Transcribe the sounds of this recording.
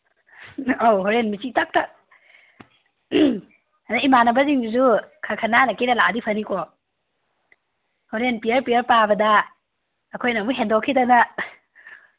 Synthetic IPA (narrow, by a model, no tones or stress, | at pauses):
owɦoɾenmit͡ʃitak̚ta | aɾaimanɐbɐziŋzukʰakʰananɐkiɾɐladipʰɐnikʰɔ | hoɾenpijɐɾpiɐɾpabɐdɐː | kʰojnɐmuɦendokʰːidanɐ